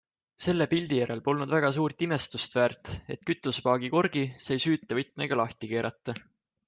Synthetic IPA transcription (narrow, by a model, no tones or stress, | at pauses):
se̞lːe̞pilʲd̪̥ijæɾe̞lpo̞lnud̪væɡ̥ɑs̬uːrt̪ime̞st̪ust̪væːrt̪e̞̰t̪kyt̪ːˑuspɑːɡ̥iko̞rɡ̥isejsyːt̪ˑːɑvɤt̪ˑmḛɡ̥ɑlɑht̪ike̞ːɾʔɑt̪ːˑɑ